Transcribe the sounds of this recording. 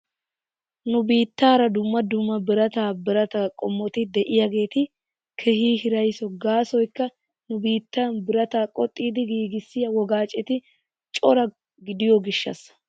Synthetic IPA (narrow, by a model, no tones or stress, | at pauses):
nʊbiːt̪ːaːɾɐd̪ʊmːɐd̪ʊmːɐbɪɾɐt̪aːbɪɾɐt̪akʼɔmːɔt̪ɪd̪ɛʔɪjaɡe̞ːt̪ɪ | kʰɛhiːɦɪɾɐjsɔɡaːsɔjkːɐ | nʊbiːt̪ːaːnbɪɾɐt̪aːkʼɔt̪ʼːiːd̪ɪɡiːɡɪsːɪjɐwɔɡaːt͡ʃʼːɛt̪ɪ | t͡ʃʼɔɾɐ | ɡɪd̪ɪjɔɡɪʃːɐ̰s